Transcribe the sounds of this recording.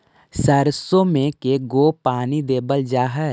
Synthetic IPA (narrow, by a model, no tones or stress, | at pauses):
səɾsomẽkeɡoːpaːnid̪eːbəld͡ʒaːɦə